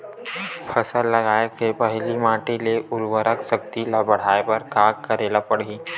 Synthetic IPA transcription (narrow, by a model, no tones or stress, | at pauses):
pʰəsəlːɐɡaːekepəɦlimaːʈeleʊɾwəɾəkʃək̚t̪ilabəɽ̤aːepɐɾkaːɡkɐɾeːlapəɽ̤iː